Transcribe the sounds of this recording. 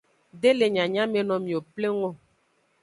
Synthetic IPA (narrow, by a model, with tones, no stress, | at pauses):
ɖe˦le˨ɲã˨ɲã˦me˨nɔ̃˨mĩ˨o˨ple˦ŋõ˦